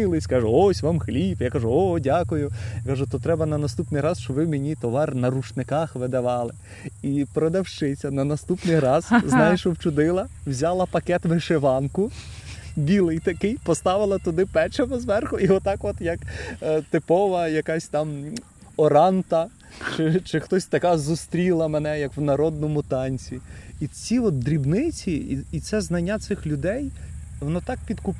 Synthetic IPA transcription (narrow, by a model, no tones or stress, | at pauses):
ɪlˠɪsʲkɑʒʊɔsʲʋɑmxlʲipjakɑʒʊɔdʲakʊjʊjakɑʒʊt̪ɔt̪ɾɛbɐnɐnɐst̪upnɪjɾɑzʃt͡ʃɔʋɪmenʲit̪ɔʋɑrnɐɾut͡ʃnɪkɑxʋɪd̪ɐʋɑlˠɪ | ipɾɔd̪ɐwʃt͡ʃɪt͡sʲɐnɐnɐst̪upnɪjɾɑz̥znɑjeʃɔwt͡ʃʊd̪ɪlˠɐwzʲɑlˠɐpɐkɛt̪ʋɪʃeʋɑnkʊ | bʲilˠɪjt̪ɐkɪjpɔst̪ɑʋɪlˠɐt̪ʊd̪ɪpɛt͡ʃɐmɐzʋɛrxʊʔiɔt̪ɑkʋɔt̪jɐkt̪ɪpɔʋɐjɐkɑsʲt̪ɑm | ɔɾɑnt̪ɐ | t͡ʃɪt͡ʃɪxt̪ɔsʲt̪ɐkɑzʊst̪ɾʲilˠɐmenɛjɐkwnɐɾɔd̪̚nɔmʊt̪ɑnʲt͡sʲiit͡sʲiʋɔt̪̚d̪ɾʲibnɪt͡sʲiːt̪sɛznɐnʲːat̪sɪxlʲʊd̪ɛjʋɔnɔt̪ɑk̚pʲid̪kʊp